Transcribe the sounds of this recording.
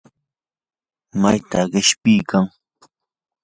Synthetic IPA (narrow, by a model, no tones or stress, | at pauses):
majt̪aɢɪʃpɪːkʰaŋ